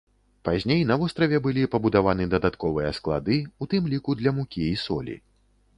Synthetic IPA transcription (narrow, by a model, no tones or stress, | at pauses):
pazʲnʲejnɐvɔst̪ɾɐvʲɛbɨlʲipɐbud̪avanɨd̪ɐd̪at̪kɔvɨjɐsklˠa̰d̪ɨut̪ɨmlʲikud̪lʲɐmukʲiːsɔ̰lʲḭ